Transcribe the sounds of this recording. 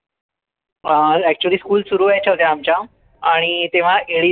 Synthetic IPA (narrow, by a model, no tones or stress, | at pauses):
æk̚t͡ɕuəliːskuːlsuɾuːajt͡ɕʰəlt̪jaːmt͡ɕja | aɽ̃it̪eʋ̤aʔeɭi